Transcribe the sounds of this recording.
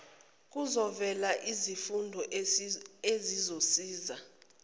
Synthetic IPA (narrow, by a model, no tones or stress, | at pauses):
k̬ʼuzɔvɛlaʔizifundʱɔ | ezizosiːza